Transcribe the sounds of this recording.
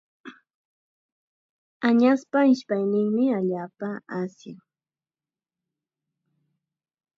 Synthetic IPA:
aɲaspaɪʃpajnɪŋmɪaʎaːpaasjaŋ

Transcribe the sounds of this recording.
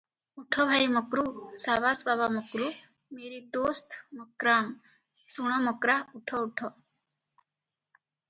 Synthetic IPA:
uʈʰɔbʱajmɔkɾusaːʋaːsbaːbamɔkɾu | meːɾit̪oːst̪ʰmɔkɾaːm | suɽ̃ɔmɔkɾauʈʰɔuʈʰɔ

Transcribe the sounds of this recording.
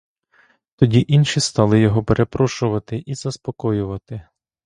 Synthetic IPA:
t̪ɔdʲiʔinʃist̪ɑlˠɪjɔɦɔpeɾʔe̞pɾɔʃʊʋɐt̪ɪʔiz̥ɐspɔkɔjʊʋɐt̪ɪ

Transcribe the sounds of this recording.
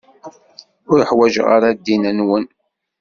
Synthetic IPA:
ʊɾəħwæʒʁa̰ɾad̪ːinənwən

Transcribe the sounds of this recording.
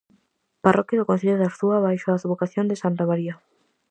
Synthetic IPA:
parʔɔkjaðokõn̟θiʎeðaɾθuaβajʃoasuβokaθjond̪ɪsant̪amaɾia

